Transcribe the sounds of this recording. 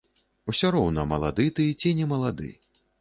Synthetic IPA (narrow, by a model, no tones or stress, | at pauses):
usʲɔɾɔwnɐmɐlˠa̰d̪ɨt̪ɨjɛt͡sʲinʲɛmɐlˠad̪ɨ̰